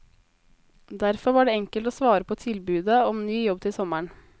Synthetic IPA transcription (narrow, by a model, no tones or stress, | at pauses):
d̪æɾfɔɾʋɑːɖeːɛŋkəlt̪oːsʋɑːɾəpʰoːt̪ʰɪlbʉːd̪əɔmnyːjɔb̚t̪ʰɪsɔməɳ